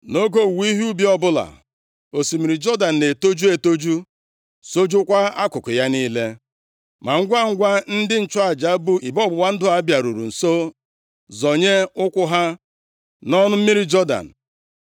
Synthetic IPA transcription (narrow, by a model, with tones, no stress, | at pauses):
no˦ɡo˦˨wi˦ɦi˦u˦bi˦ɔ˦bʊ˦la̰˨ | o˨si˨mi˨ɾi˨d͡ʒɔ˦da˨n̩˨ne˨to˦d͡ʒu˦e˨to˦d͡ʒu˦ | so˦d͡ʒʊ˦kʷa˦a˦kʊ˨kʊ˨ja˦niː˦le˦ | ma˨ŋ̩˦ɡʷa˦ŋ̩˦ɡʷa˦n̩˦dɪ˦n̩˨t͡ʃʊ˦a˨d͡ʒa˨˦bu˨ʔi˨bɔ˦bʊ˨wa˦n̩˦dʊ˦a˦bja˨ɾu˨ɾu˨n̩˨so˦ | zɔ˨ɲe˦ʊ˦kʷʊ˦ɦa˦ | nɔ˦nʊ˦m̩˦mi˦ɾi˦d͡ʒɔ˦da̰˨n̩˨